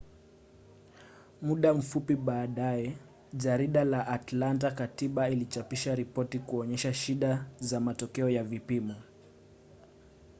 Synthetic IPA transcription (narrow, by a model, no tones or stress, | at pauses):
muɗam̩fupiɓaːɗajɛ | ʄaɾiɗalaʔatlant̬akatiɓailit͡ʃapiʃaɾipɔtikuɔɲɛʃaʃiɗazamatɔkɛɔjavipimɔ